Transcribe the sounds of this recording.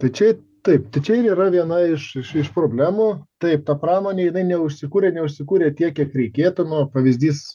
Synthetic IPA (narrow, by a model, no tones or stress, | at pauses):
t̪ɐɪt͡ʃʲɛɪ | t̪ɐɪpt̪ɐɪt͡ʃʲɛɪɾiːɾɐʋʲiɛnɐɪʃɪʃɪʃpɾoːbʲlʲæːmut̪ɐɪp̚t̪ɐpɾɑːmoːnʲeːjɪnɐɪnʲɛʊʃʲsʲɪkuːɾʲeːnʲɛʊʃʲsʲɪkuːɾʲeːt̪ʲiɛkkʲiɛkɾʲɛɪkʲeːt̪ʊnuɔpɐʋʲɪzʲd̪ʲiːs